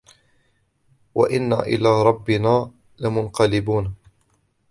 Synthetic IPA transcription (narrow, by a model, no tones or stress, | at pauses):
wa̰ʔɪnːa̰ːʔɪ̰laːɾˤɑbːɪnaː | lɪmʊnqɑlɪbuːn